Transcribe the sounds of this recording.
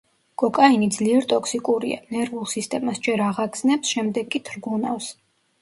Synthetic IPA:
kʼɔkʼainid̪zliɛɾt̪ʼɔkʰsikʼuɾḭa̰nɛɾvulˠsist̪ʼɛmasd͡ʒɛɾaʁaɡznɛpsʃɛmd̪ɛɡːʼit̪ʰɾɡunafs

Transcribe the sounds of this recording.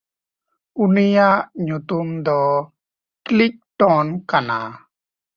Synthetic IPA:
unijaʔɲut̪umd̪ɔ | klik̚ʈɔnkana̰

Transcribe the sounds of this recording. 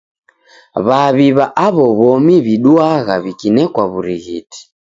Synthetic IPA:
βaβiβaʔaβɔβɔmiβiɗuaɣaβikinɛkwaβuɾiɣiti̥

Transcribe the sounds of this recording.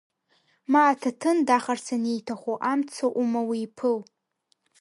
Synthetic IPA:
maːtʰatʰɨndaχarsʰanejtʰaχʷoʔamt͡sʰoʔumawiːpʰɨl

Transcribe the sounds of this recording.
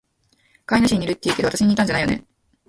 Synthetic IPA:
kainaɕiɲ̟iɾɯ̟t̪ːeiɯ̟ked̪oat̪aɕiɲ̟it̪ãɲd͡ʑanaijonḛ

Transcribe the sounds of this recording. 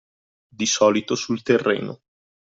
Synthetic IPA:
d̪isɔːlit̪osult̪erːḛːno̰

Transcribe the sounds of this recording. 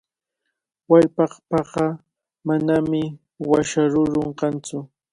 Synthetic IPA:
waʎpɑχpɑɢɑ | manamɪ | waʃaɾʊɾoɴqɑnt͡sʊ

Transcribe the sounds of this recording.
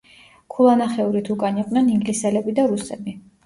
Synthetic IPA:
kʰulˠanaχɛuɾit̪ʰukʼaniqʼwnɛniŋɡlisɛlɛbid̪aɾusɛbi

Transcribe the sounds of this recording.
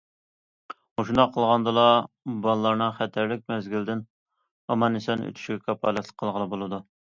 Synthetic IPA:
oʃund̪ɑqʰːəlˠʁɑnd̪ɨlˠɑ | bɑlˠlˠɑɾnɨχɛt̪ʰæɾlɪk̚ʲmɛzɡʲild̪ɪn | ɑmɑnɪsɑnø̰t̪ʰy̥ʃiɡʲɛkʰɑpʰɑ̰lˠɛt̪lˠɪ̥k̚qʰːəlˠʁəlˠɨbolˠɨd̪u

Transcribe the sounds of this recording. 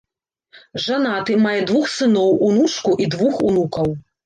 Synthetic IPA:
ʐanat̪ɨmajɛd̪vuxsɨnɔwunuʂkuʔid̪vuxunukɐw

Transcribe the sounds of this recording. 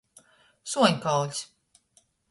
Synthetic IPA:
suɔɲʲkalˠʲs

